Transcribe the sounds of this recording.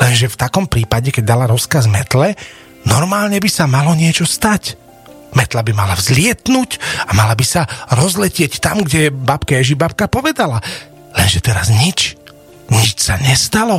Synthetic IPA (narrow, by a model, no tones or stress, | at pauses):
lɛnʒɛft̪akɔmpɾiːpaɟɛkɛɟ̚d̪alaɾɔskazmɛt̪lɛ | nɔɾmaːlɲɛbisamalɔɲɪɛt͡ʃɔst̪ac | mɛt̪labimalavzlɪɛt̪nucamalabisaɾɔzlɛcɪɛct̪amɡɟɛbapkajɛʒibap̚kapɔʋɛd̪ala | lɛnʒɛt̪ɛɾazɲit͡ʃ | ɲit͡ʃsaɲɛst̪alɔ